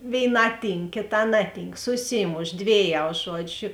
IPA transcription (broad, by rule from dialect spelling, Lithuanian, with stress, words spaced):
ʋʲeːɪˈnɑː ˈtʲiːŋk kʲeːˈtɑː ˈnɑːˌtʲiːŋk sʊˈsʲiːmoːʃ ˈdʲʋʲeːˌjɛʊ ˈʒuɔd͡ʒʲʊ